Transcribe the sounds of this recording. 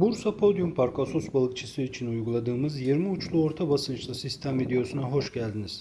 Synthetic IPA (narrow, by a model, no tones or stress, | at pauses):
buɾsapʰo̞d̪ijumpʰaɾkʰasosbalˠɯkt͡ʃʰɯsɯit͡ʃʰinujɡulˠad̪ɯːmɯzjiɾmiut͡ʃʰlˠuo̞ɾt̪ʰabasɯnt͡ʃʰlˠasist̪ʰemvid̪e̞o̞sunaɦo̞ʃɟælʲd̪iniz̥